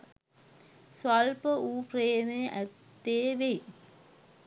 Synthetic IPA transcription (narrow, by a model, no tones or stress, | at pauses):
sʋalpəuːpreːmeʔæt̪ːeːʋej